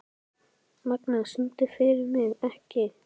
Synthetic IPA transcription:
maknasʏmt̪ɪfɪɾɪɾmɪɣɛhcɪ

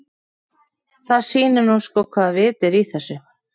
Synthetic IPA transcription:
θaðsiːnɪɾnuskɔkʰvaːðvɪːt̪ɪɾiθɛsːʏ

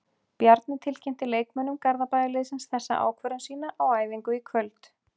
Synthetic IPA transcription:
pjaɾt̪nɪt̪ʰɪlcʰejm̥t̪ɪleːjkmœnʏmkaɾðapajðɪlɪðsɪnsθɛsːa̰ʔa̰ːwkʰvœɾansiːnaʔawaːjðiŋkʏikʰvœlt̪

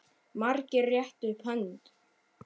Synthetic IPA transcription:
maɾcɪrrːjɛht̪ʏpʰœnt̪

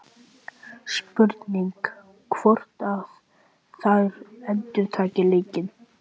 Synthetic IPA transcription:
spʏɾt̪niŋk | kʰvɔr̥t̪av | θaðɾɛnt̪ʏɾ̥t̪ʰaːcɪleːcɪn

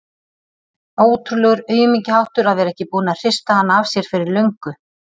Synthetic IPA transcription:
oːwt̪ɾʏlɛɣʏɾœːɥjʏmicɪhawht̪ʏɾaðvɛːɾaɛhcɪpuːnar̥ɪst̪ahanːaavsjɛɾ̥fɪɾɪɾlœɥŋkʏ

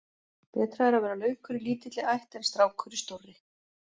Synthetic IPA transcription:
pɛːt̪ɾaðɛɾavɛːɾalœɥkʰʏɾɪliːt̪ɪt̪lɪajht̪ɛnst̪ɾaːwkʰœɾɪst̪orːɪ

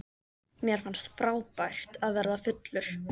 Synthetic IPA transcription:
mjɛɾ̥fanst̪fɾaːwpajr̥t̪aðvɛɾðafʏt̪lʏɾ̥

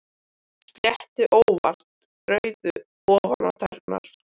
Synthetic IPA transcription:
t̪ljɛht̪ɪʔoːwva̰r̥t̪ | ɾœːɥðʏ | ɔːvana̰t̪ʰɛɾ̥pna̰l

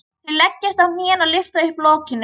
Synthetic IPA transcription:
θɪlɛcːɪst̪awmiːɛnalɪft̪aɪhplɔːcɪnː

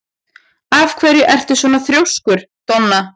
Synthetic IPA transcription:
avkʰvɛːɾjʏʔɛr̥t̪ʏsvɔːnaθɾjowskʏɾ̥ | t̪ɔnːa

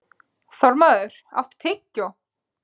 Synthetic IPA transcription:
θɔɾmaðʏɾ̥a̰wht̪t̪ʰɪcːɔ

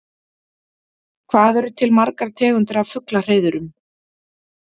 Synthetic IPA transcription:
kʰvaːðɛɾʏt̪ʰɪlmaɾkaɾ̥t̪ʰɛːɣʏnt̪ʏɾavfʏklar̥eːjðʏɾʏm

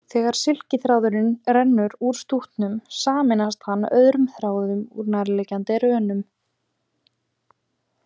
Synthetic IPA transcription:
θɛːɣaɾ̥sɪl̥cɪθɾaːwðʏɾɪnɾɛnːʏɾuɾ̥st̪uht̪nʏmsaːmɪnast̪hanːœðɾʏmθɾaːwðʏmṵɾnaɾlɛːcant̪ɪɾœːnʏm

